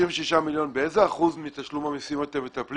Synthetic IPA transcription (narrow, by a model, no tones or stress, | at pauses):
iɱveʃiʃamiljo̞nbeezeaχuzmit̪aʃlumamisimat̪evet̪apl